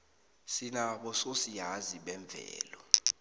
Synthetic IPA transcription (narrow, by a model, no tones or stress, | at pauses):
sinaɓɔsosiɦaziɓɛɱb̪vʱɛ̰ːlɔ